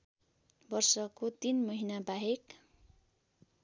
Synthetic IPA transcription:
bʌrsʌkot̪inmʌɦinabaɦek

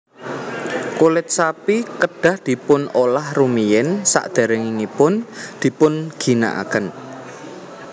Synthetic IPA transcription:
kolɪt̪̚sapikəɖ̥a̤hd̪̥i̤pʊnolahrumijɛnsa̰ʔd̪̥a̤ɾəŋiŋipʊnd̪̥i̤pʊnɡ̥i̤na̰ʔa̰kən

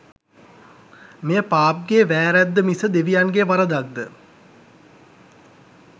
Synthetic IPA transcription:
mejəpaːp̚ɡeʋæːɾæd̪ːəmisəd̪eʋijanɡeʋaɾəd̪ak̚d̪ə

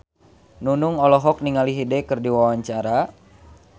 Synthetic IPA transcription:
nunuŋɔlɔɦɔk̚niŋaliɦidɛkɨrdiwawaɲt͡ʃaɾa

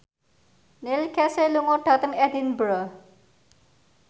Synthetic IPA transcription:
nɪlkɛseluŋoɖ̥a̤t̪əŋɛdinbɾə

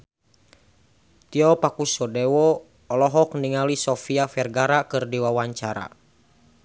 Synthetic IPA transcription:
t̪iɔpakusɔdɛwɔː | lɔɦɔk̚niŋalisɔfiafɛrɡaɾakɨrdiwawaɲt͡ʃaɾa̰

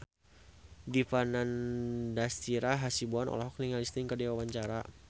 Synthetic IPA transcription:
difanandast̪iɾaɦasibuanɔ̰laɦɔk̚niŋalist̪ɪŋkədiwawaɲt͡ʃaɾa

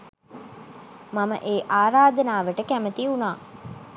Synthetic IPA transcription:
mamə̰ʔeːʔaːɾaːd̪ənaːʋəʈəkæmət̪iunaː

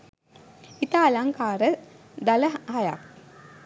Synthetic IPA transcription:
it̪aːlaŋkaːɾə | d̪aləhaja̰k̚

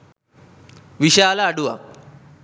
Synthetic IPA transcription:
ʋiɕaalaːɽuʋa̰

